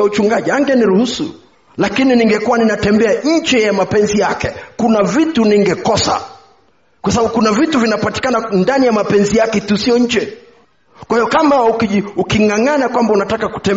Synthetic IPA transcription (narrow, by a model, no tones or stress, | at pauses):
aut͡ʃuŋɡaʄiaŋɡɛniɾuhusṵ | lakininiŋɡɛkuwaninatɛmbɛaɲ̩t͡ʃɛjamapɛnzijakɛkunavituniŋɡɛkɔsa̰ | kwasaaɓukunavituvinapati̥kanandanijamapɛnzijakɛtusiɔɲ̩d͡ʒɛ | kwahijɔkamaukiukiŋaŋanakwambaunatakaku̥tɛ